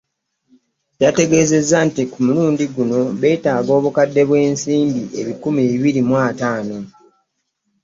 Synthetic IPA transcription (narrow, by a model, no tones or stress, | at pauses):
date̞ɡe̞ːze̞zːantikumuluːndiɡuno̞βe̞ːtaːɡo̞ːβukadːe̞βwe̞ːnsiːmbiʔe̞βikumiiβiɾimwaːtaːno̞